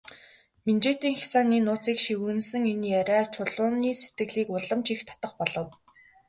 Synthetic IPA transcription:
ment͡ɕeːt̪iːŋxi̥saːniːnʊːt͡siːkʃiwɣɘ̆nsɘ̆ŋenjæɾʲaːt͡ɕʰʊɮʊːniːset̪ɡɘ̆ɮiːkʊɮə̆mt͡ɕixt̪ʰḁt̪ə̆χpɔɮɞ̆w

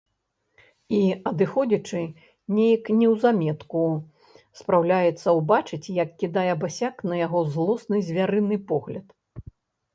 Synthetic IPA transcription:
iɐd̪ɨxɔd͡zʲɐt͡ʂɨ | nʲejɐknʲɛwzamʲɛt̪ku | spɾawlʲajɛt̪sːɐwbat͡ʂɨt͡sʲjɐkːʲid̪ajɛbasʲaknɐjaɣɔzlˠɔsnɨzʲvʲaɾɨnɨpɔɣlʲɐt̪

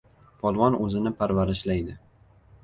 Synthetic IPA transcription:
pʰɒlˠwɒnɵzɪnɪpʰaɾvaɾɪʃlajd̪ɪ

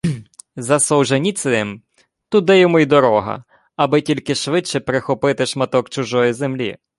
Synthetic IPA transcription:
zɐsɔwʒɐnʲit̪sɪnɪm | t̪ud̪ɛjɛmɔjd̪ɔɾɔɦɐ̰ | ɐbɪtʲilʲkɪʃʋɪt͡ʃɛpɾexɔpɪt̪ɪʃmɐt̪ɔkt͡ʃʊʒɔjizemlʲḭ

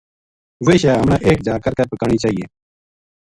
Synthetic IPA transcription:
ʋeːʃaːɦəmnãːʔeːk̚d͡ʒaːkəɾkəɾpəkəːɳiːt͡ʃaːɦiːeː

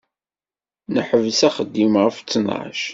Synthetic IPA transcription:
nəħəvsæχəd̪ːimʁəft͡sːənʁ̰ʃ

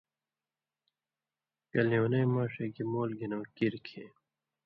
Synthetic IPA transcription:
kɐljoːnejmaːʂeɡimoːlɡinɐːkiɾkʰeː

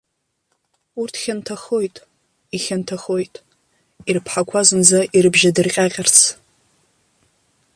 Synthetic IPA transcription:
urtʰχʲantʰaχo̞jtʼ | iχʲantʰaχo̞jtʼ | irpʰħakʷʰazɨnd͡zaʔirɨbʒadɨrqʲʼaqʲʼɪrt͡sʰ

